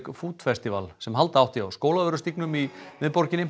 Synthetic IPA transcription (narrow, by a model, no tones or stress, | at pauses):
kfuːt̪fɛst̪ɪvalsɛmɦalt̪aawht̪iawskoːwlaðœɾʏst̪iknʏmimɪðpɔɾ̥cɪnɪm